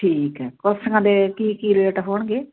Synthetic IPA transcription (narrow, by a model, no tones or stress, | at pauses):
ʈʰiːkɦɛːkəsəɡãːd̪eːkiːkiːɾeːʈɦoːɳɡeː